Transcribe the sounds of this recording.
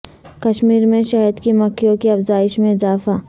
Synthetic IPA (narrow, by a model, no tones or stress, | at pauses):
kɐʃmiːɾmẽʃaːjəd̪kimɐkʰːijõkiɐfzaːɪʃmẽɪzaːfaː